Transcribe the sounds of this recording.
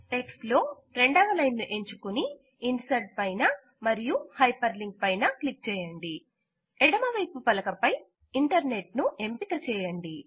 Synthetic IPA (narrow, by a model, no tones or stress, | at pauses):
ʈekslo̞ː | ɾeɳɖaːʋɐlɐjnnuʔe̞ɲt͡ʃukuni | insɐɖ̚pɐjnɐ | mɐɾijuhɐjpɐɾliŋɡ̚pɐjnɐklik̚t͡ʃɛːjɐɳɖi | eɽɐmɐʋɐjpupɐlɐkɐpɐj | iɳʈɐɾne̞ʈ̚nuʔe̞mpik̪ɐt͡ʃɛːjɐɳɖi